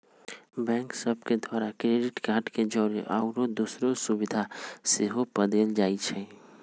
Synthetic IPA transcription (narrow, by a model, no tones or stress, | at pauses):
bɛ̃ːŋksəb̚ʱked̪waːɾakɾeːɖɪʈkaːɾʈked͡ʒɔːɾeʔɔːʊɾod̪usɾosubɪd̪ʱaseɦopəd̪ənd͡ʒaːit͡ʃʰɛ